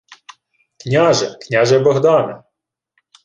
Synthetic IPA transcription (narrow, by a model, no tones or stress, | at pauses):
knʲaʒɛknʲaʒɛbɐɦd̪ɑnɛ